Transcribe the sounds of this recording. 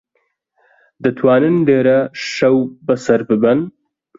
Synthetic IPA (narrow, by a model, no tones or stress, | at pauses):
d̪ɐt̪ʰwaːnɨnd̪eːɾɐʃɐwbɐsɐɾbɨbɨn